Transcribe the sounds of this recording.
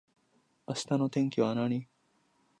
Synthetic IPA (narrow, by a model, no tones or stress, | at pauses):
ɐst̪ɐnot̪eŋkiwaːnaːni